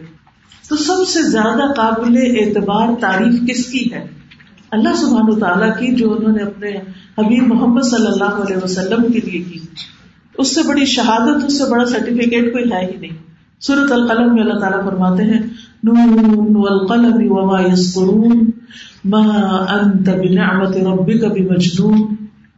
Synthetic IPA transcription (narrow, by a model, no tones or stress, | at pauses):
t̪oːsɐbsezjaːd̪aqaːbɪleʔɪːt̪ɪbaːɾt̪aːɾiːfkɪskiɦɛː | ɐlːaɦsʊbʱɦaːnɐʋɐt̪aːlakid͡ʒoːʊnɦõːneɐpnehɐbiːbmʊɦəmːəd̪sɐlːɐlːaːɦoɐleːɦʋɐsɐlːəmkeliekiː | ʊsːebɐɽiʃɐɦaːd̪ət̪ʊsːebɐɽasɐɾʈɪfɪkeːʈkoːiɦɛːɦinɐɦĩ | suːɾət̪ɐlqɐləmːẽɐlːaɦt̪aːlafɐɾmaːt̪eɦɛ̃ː | nuːnwɐlqɐlɐmɪwɐmaːjɐzkʊɾuːnmaːʔɐnt̪abɪnɪʕmɐt̪ɪɾɐbːɪkabɪmɐd͡ʒnuːn